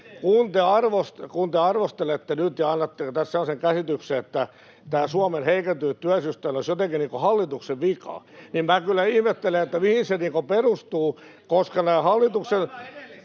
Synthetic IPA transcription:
kunt̪eɑrʋost̪kunt̪eɑrʋost̪elet̪ːenyt̪jɑɑnːɑt̪ːekot̪æsselːɑseŋkæsit̪ykseet̪ːæ | t̪æːsuɑmenheikent̪yːt̪t̪yæsyst̪æinosjot̪eŋkiniːŋkohɑlːit̪ukseʋʋikɑ̰ | nimmæːkylːæihmet̪ːeleet̪ːæmihinseniːŋkoperust̪uː | koskɑnæːhɑlːit̪uksen

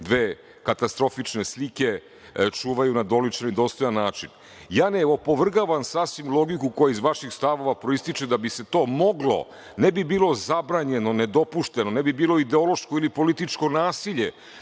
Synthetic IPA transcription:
d̪ʋe̞ː | kat̪ast̪ɾo̞fit͡ʂne̞slike̞ | t͡ʂuːʋajunad̪o̞lit͡ʃenid̪o̞ːst̪o̞janːaːt͡ʂin | jaːneopo̞ʋr̩ɡaʋansasʋimlˠo̞ɡikuko̞jaizʋaʃixst̪aʋo̞ʋapɾoist̪it͡ʃed̪abise̞t̪o̞ːmo̞ɡlo̞̰ | nebibiːlˠo̞zabɾaːɲe̞no̞ned̪o̞puʃt̪e̞no̞nebibiːlo̞id̪eo̞loʃkoilipo̞lit̪it͡ʃko̞naːsiʎe̞

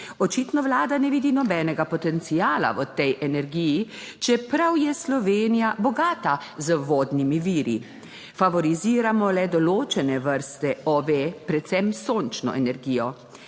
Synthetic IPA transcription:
ɔt͡ʃiːt̪nɔʋlaːd̪anɛʋiːd̪inɔbɛːnɛɡapɔt̪ɛnt̪siaːla̰ʋət̪ɛjʔɛnɛɾɡiji | t͡ʃɛpɾawjɛslɔʋeːnijabɔɡaːt̪azəʋoːd̪nimiʋiːɾḭ | faʋɔɾiziːɾamɔlɛd̪ɔloːt͡ʃɛnɛʋəɾst̪ɛɔʋepɾɛt̪sɛmsoːnt͡ʃnɔ̰ɛnɛɾɡiːjɔ

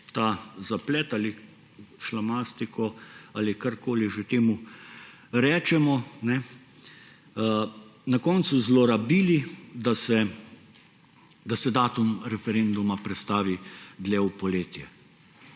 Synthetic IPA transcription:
t̪aːzaplɛt̪aːli | ʃlamast̪ikʰɔaːlikaɾkoːliʒet̪eːmu | ɾɛːt͡ʃɛmɔnɛ | nakɔnt̪suzloːɾabiːlid̪asɛ | d̪asɛd̪aːt̪umɾɛfɛɾend̪umapɾɛt̪st̪aːʋid̪lɛwpɔleːt̪jɛ

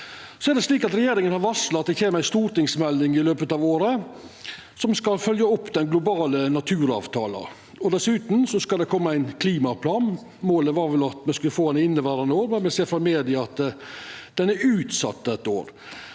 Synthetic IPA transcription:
sɔæɾdɖ̪ɛsliːkɑt̪ɾɛjeːɾɪŋənhɑɾʋɑslɑt̪̚d̪ɛçeːməɾæɪst̪uːɾʈ̪ɪŋsmɛlnɪŋɪløːpət̪ɑːʋoːɾə | sɔmskɑlfœljəɔpːd̪ɛnɡlʊbɑːlənɑt̪ʰʉːɾɑ̰ːʋt̪ʰɑ̰ːlɑ̰ | ɔd̪ɛsʉːt̪n̩sɔskɑld̪ɛkʰɔmːəæɪnkʰliːmɑpʰlɑːn | moːləʋɑɾʋɛlɑt̪mɛskʉləfoːɛnɪnːəʋæːɾɑnoːɾmɛnmɛseːɾfɾɑmeːd̪ɪɑt̪ | d̪̥ɛnæɾʉːt̪sɑ̰t̪ːəɛt̪ːo̰ːɾ

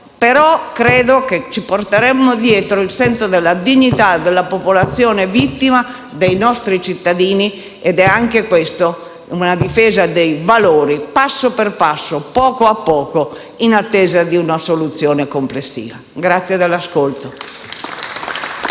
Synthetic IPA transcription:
peɾɔkɾɛːd̪oket͡ʃːiport̪eɾɛmːod̪jɛːt̪ɾoilsɛnsod̪elːad̪iɲːit̪ad̪elːapopolat̪sːjɔːnevit̪ːima | d̪ejnɔst̪ɾit͡ʃit̪ːad̪iːni | ɛd̪ɛaŋkekwest̪o | unad̪ifɛːzad̪ejvaloːɾipasːoperpasːopɔːkoapːɔːko | inat̪ːɛːzad̪iunasolut̪sjɔːnekomplesːḭːvaɡɾat̪sːjed̪elːaskolt̪o

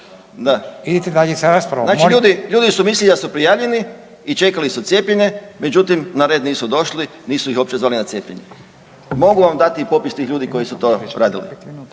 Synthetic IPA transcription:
d̪aid̪it̪ed̪aʎesaɾaspɾanat͡ʃiʎuːd̪iʎuːd̪isumislilid̪asupɾijaːʋʎeni | it͡ʃe̞kalisut̪sje̞ːpʎeɲe̞me̞d͡ʒut̪imnaɾed̪niːsud̪o̞ʃli | niːsuixo̞p̚t͡ʃezʋaːlinat̪jeːpʎḛɲḛ | mo̞ɡuʋamd̪at̪iipo̞pist̪iːxʎuːd̪iko̞jisut̪o̞̰ɾaːd̪ilḭ

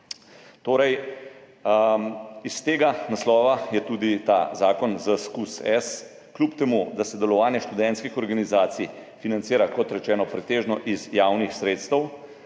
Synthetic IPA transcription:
t̪oːɾɛj | ist̪eːɡanaslɔːʋajɛt̪uːd̪it̪a̰zaːkɔnzəskusɛs | klupt̪ɛmud̪asɛd̪ɛlɔʋaːnjɛʃt̪ud̪ɛnt̪skixɔɾɡanizaːt̪sijfinant̪siːɾakɔt̪ɾɛt͡ʃɛːnɔpɾɛt̪eːʒnɔʔizjaːwnixsɾeːt̪st̪əw

